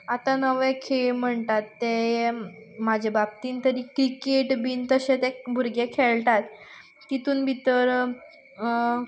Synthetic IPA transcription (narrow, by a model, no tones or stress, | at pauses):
at̪anəʋẽkʰeɭm̤əɳt̪at̪ːe | mad͡ʑʱebab̚t̪iːnt̪əɾiːkɾikeʈbiːnt̪əɕẽt̪ɛbʱuɾɡekʰeɭʈ̪at̪ː | it̪uːnbʱit̪əɾ